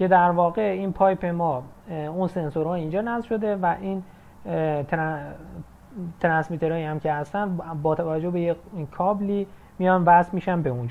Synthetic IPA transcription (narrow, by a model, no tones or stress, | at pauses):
kʰe̞d̪æɾvɒːɣe̞inpʰɒːjpʰemɒː | unse̞nsoɾhɒːiːnd͡ʒɒːnæzvʃo̞d̪e̞væʔin | t̪ɾ | t̪ʰɾænsmit̪ʰe̞ɾɒːjihæmcʰe̞hæst̪ænbɒːt̪ʰævæd͡ʒːo̞be̞jekʰɒːbliː | mijɒnvæsmiːʃænbeund͡ʒ